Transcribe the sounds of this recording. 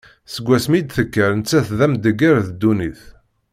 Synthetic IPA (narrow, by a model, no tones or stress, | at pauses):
səɡʷːæsmid̪θəkːəɾnt͡sːæθðæmd̪əɡəɾðd̪ːuniθ